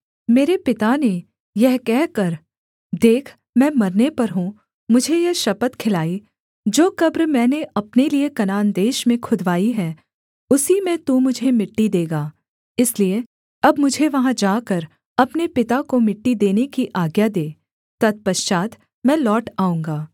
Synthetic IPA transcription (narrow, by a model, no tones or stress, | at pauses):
meːɾepɪt̪ane | jɛɦkɛɦkɐɾ | d̪eːkʰ | mɛ̃ːmɐɾnepɐɾɦũ | mʊd͡ʒʱejɐɦʃɐpət̪kʰɪlaːi | d͡ʒoːkɐbɾmɛ̃ːneɐpneliekɐnaːnd̪eːʃmẽkʰʊd̪ʱʋaːiɦɛ̃ː | ʊsimẽt̪umʊd͡ʒʱemɪʈːid̪eːɡaː | ɪslie | ɐbmʊd͡ʒʱeʋɐɦãd͡ʒaːkɐɾ | ɐpnepɪt̪akomɪʈːid̪eːnekiʔaːɡjad̪eː | t̪ɐt̪̚pɐʃt͡ʃaːt̪ | mɛ̃ːlɔːʈaːũːŋɡaː